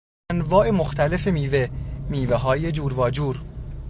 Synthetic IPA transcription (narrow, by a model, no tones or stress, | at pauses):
nvɒːʔe̞moxt̪ʰæle̞fe̞miːvemiːveɦɒːje̞d͡ʒuːɾvɒːd͡ʒuːɾ